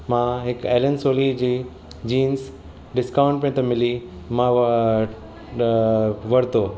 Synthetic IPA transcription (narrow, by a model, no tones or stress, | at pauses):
mãːɦɪkeːlənsoːlid͡ʑiː | d͡ʑiːns | ɖɪskaːʊ̃ɳʈ̚pĩt̪ɐ̃mɪli | mã | ʋɐɾt̪oː